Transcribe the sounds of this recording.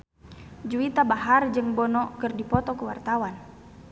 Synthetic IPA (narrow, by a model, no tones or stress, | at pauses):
d͡ʒuit̪abaɦard͡ʒɨŋbɔnɔkɨrdipɔt̪ɔkəwart̪awan